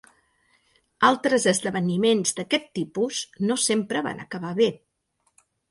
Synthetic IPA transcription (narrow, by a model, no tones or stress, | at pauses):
alˠt̪ɾəzəzðəβənimenzd̪əkɛt̪ːipuz̥nosempɾəβa̰nʔə̰kəβaβe